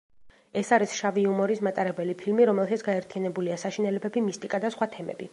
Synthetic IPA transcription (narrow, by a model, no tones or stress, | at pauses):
ɛsaɾisʃaviumɔɾismat̪ʼaɾɛbɛlipʰilmiɾɔmɛlˠʃat̪sɡaɛɾt̪ʰijanɛbuliasaʃinɛlɛbɛbimist̪ʼikʼad̪asχwat̪ʰɛmɛ̰bi